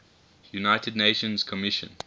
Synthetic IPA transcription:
junaɪtədneɪʃə̃nzkʰəmɪʃə̰̃n

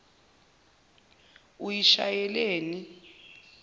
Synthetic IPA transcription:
ujiʃa̰jɛleːni

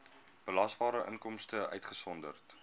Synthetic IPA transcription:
b̥əlɐsbɑːɾəʔə̰nkɔmstəʔœ̰ɥtχəsɔndərt

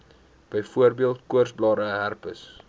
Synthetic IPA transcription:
b̥əjfuərbiəlˠtkuərsblɑːɾəɦærpəs

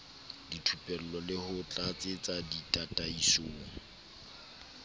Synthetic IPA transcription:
ditʰupʼɛl̩lɔlɪhʊt͡ɬʼat͡sʼɪt͡sʼaditʼatʼaisoːŋ̩

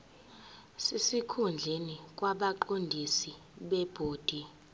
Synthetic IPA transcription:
sesikʰund͡ɮʱenik̬ʼwaɓaǃondʱisi | ɓɛb̥ʱoːd̥ʱi

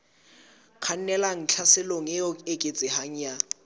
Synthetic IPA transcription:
kʰan̩nɛlaŋ̩t͡ɬʰasɪloŋɛjɔekʼet͡sʼɪhaŋ̩ja

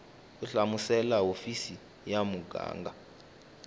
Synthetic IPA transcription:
uɬamusɛlaofisi | jamuɡʱa̰ːŋɡa

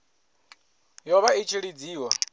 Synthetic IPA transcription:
jɔβait͡ʃʰiɺid͡ziːwa

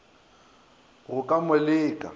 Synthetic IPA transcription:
ɣʊkʼamɛlɪːkʼa̰

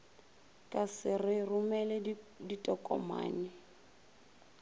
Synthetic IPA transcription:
kʼasɪrɪrʊmɛlɛditʼɔkʼɔ̰ma̰ːnɪ

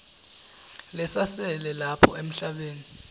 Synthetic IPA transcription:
lɛsasɛlɛlapʰɔ̰em̩ɬaɓeːni

